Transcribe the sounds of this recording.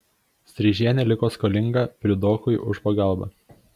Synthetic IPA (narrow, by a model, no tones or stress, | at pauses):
sʲɾʲɪʒʲiɛnʲɛlʲɪkoːskɔːlʲɪŋɡɐpʲɾʲɪd̪oːkʊɪʔʊʃpɐɡɑˑlˠbɑ̰ː